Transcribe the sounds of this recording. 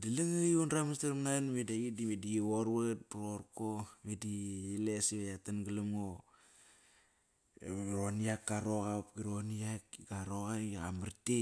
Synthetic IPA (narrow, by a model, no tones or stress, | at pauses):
dilaŋajunɾamastaɾmnanmedaɡidimedioɾβat̚buɾoɾkomedielesiβajatanɡalamŋo | ɾoniakːaɾoɣapɡiɾoniakɡaɾoɣaiamaɾte